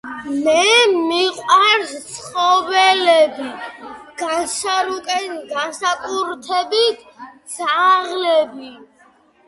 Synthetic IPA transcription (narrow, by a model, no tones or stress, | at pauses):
mɛmiqʼwaɾst̪sʰχɔvɛlɛbiɡ̥asaɾut̪ʼɛnɡasakʼuɾt̪ʰɛbit̪ʰd̪z̥aʁlɛbi